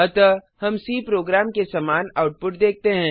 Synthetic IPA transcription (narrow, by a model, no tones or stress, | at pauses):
ɐt̪ə | hɐmsiːpɾoːɡɾaːmkesɐmaːnaːʊʈ̚pʊʈd̪eːk̚t̪eɦɛ̃ː